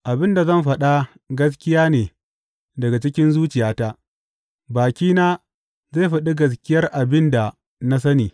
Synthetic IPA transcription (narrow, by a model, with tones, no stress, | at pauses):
ʔa˨bɪ˦nda˨zɐ˦˨mɸɐ˦ɗa˦ | ɡɐ˦s̬kʲɪ˦jaː˦neː˨ | dɐ˨ɡa˨t͡ʃɪ˦kʲɪ˦nzuː˦t͡ʃɪ˨jaː˦ta˦ʔ | baː˨kʲiː˦naː˦ | ze˦˨ɸa˦ɗi˦ɡɐ˨s̬kʲɪ˦jɐ˦rʔa˨bɪ˦nda˨ | na˦s̬ɐ˦niː˨